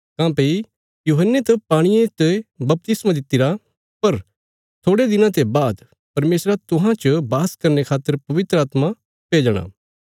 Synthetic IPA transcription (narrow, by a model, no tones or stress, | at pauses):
kãːpei | juːɦənːet̪ɐpaːɽ̃ɪjẽt̪ebɐp̚t̪ɪsmãd̪ɪt̪ːɪɾa | pɐɾ | t̪ʰoːɽed̪ɪnãt̪ebaːd̪ | pɐɾmeːsɾat̪ʊɦãt͡ʃəbaːskɐɾnekʰaːt̪ːəɾpɐʋɪt̪ɾaːt̪ma | peːd͡ʒəɽ̃a̰ː